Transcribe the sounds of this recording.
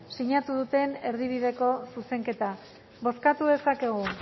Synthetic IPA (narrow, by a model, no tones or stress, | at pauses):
siɲat̪uðut̪e̞ne̞ɾðiβ̞iðe̞ko̞suse̞ŋke̞t̪a | βo̞skat̪uðe̞sake̞ɣ̞u